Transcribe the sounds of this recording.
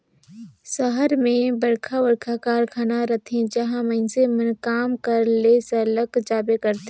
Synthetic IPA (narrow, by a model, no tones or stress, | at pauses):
səɦəɾmẽbəɽkʰabəɾkʰakaːɾkʰaːnaɾɐt̪ʰẽd͡ʒɐɦãməɪnsemənkaːmkɐəɾleːsələkd͡ʒaːbekəɾt̪e